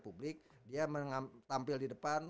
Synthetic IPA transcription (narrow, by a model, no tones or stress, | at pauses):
publɪk̚ | diaməŋat̪ampɪldidəpan